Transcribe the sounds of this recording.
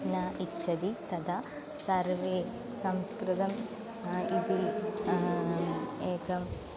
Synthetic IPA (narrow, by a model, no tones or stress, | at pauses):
nɐitːʃɐd̪it̪ɐd̪ʰɐ | sɐɾʋeː | sɐmskɾɪt̪ɐm | id̪i | eːkʰɐm